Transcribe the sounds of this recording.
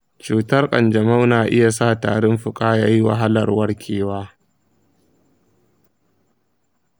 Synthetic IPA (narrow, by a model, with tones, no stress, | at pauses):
t͡ʃuː˨tɐ˦rkʼɐ̰˨nd͡ʒɐ˨ma˦wnaː˨ʔɪ˦ja˨saː˦˨ta̰ː˨ɽɪ˦mɸʊ˨kʼaː˦jaː˦ji˦wɐ̰˨ɦa˦lɐ˨rwɐ˦rkʲʰeː˦˨waː˦